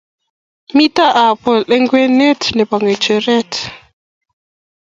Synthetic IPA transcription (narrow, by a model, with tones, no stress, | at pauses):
mi˦ta˦ʔa˨pɔ˨lɛ˦ŋɡwe˦nɛ˦tnɛ˨pa˨ŋɡɛ˨t͡ʃɛ˨ɾɛ˦t